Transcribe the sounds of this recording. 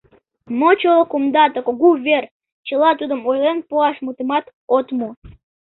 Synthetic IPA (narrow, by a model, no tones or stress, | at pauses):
mot͡ɕolˠəkumd̪ɑt̪əkoɡuvʲer | t͡ɕəlɑt̪ud̪əmojlenpuɑʃmut̪emɑt̪ | ot̪mu